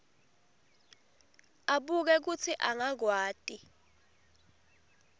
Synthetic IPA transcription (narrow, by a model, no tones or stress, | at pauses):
aɓuk̬ɛk̬ut͡sʰiʔaŋaɡ̬waːtʼi